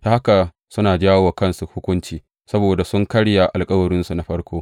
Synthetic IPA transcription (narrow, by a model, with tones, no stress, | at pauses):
ta˨ha˦ka˨ | sʊ˦naː˨d͡ʒaː˦wo˨kɐ˦nsu˨hʊ˦kʷʊ˦nt͡ʃiː˨ | sɐ˦boː˨da˨sʊ˦ŋkɐ˦ɽja˨ʔa˨lkʼɐ˦wɐ˨ɾɪ˦nsu˨na˦ɸɐ˦rkʷoː˦